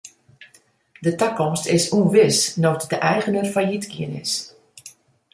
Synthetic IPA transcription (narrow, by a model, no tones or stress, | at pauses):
dətəkɔmstɪsuənʋɪsnotdəʔɛjɣənərfajitkiənɪ̰s